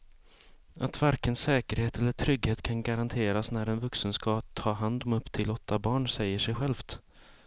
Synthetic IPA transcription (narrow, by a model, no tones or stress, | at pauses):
ʔat̪vaɾkənsɛːkəɾheːt̪ɛlːəʈʰɾʏɡheːt̪kʰanɡaɾant̪ʰeːɾasnæɾɛnvɵksənskɑːt̪ʰːɑːɦand̪ɔmɵpːt̪ʰɪlɔt̪ʰːabɑːɳsɛjːəʂɛjɧɛlft̪